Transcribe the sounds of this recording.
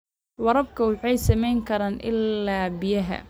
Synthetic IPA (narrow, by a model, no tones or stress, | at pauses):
wɑɾɐb̚kʰɐwɑħɑjsɐmɛjŋkʰɐɾaːnʔɪ̰lːaːbɪjɐɦɐ̰